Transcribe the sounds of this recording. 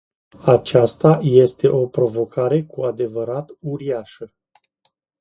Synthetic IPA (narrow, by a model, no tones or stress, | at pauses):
at͡ʃast̪aje̞st̪e̞ʔo̞pɾo̞vo̞kʰaɾe̞kuad̪e̞vəɾat̪uɾiaʃə